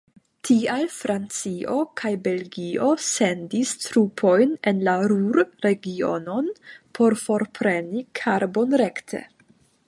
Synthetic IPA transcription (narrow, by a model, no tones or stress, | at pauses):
tʰialfɾant͡sio̞kʰajbe̞lɡio̞se̞ndistɾupʰo̞jnenlaɾuɾɾe̞ɡio̞̰no̞npʰo̞ɾfo̞ɾpʰɾe̞nikʰaɾbo̞nɾe̞ktʰe̞̰